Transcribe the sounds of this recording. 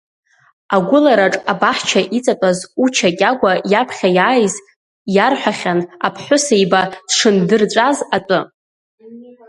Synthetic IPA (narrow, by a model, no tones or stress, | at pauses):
aɡʷʊlaɾaʈ͡ʂʼabaħt͡ʃʰaʔit͡sʼatʼazut͡ʃʰakʲʼaɡʷajapʰχʲajaːjz | jarħʷᶣaχʲanapʰħʷʊsajbad̥ʂɨndɨrt͡sʷʼazatʼʊ